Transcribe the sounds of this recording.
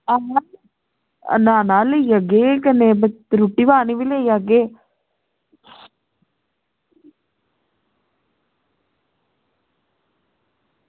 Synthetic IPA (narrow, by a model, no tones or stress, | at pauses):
aɦa | naːnaːlejəɡekənebəɾuʈːiːʋaːniːʋɪleːjaɡeː